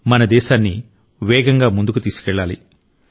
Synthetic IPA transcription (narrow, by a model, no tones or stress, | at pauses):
mɐnɐd̪ɛːʃaːnːi | ʋɛːɡɐŋɡaːmund̪ukut̪iːsu̥kɛɭːaːlḭ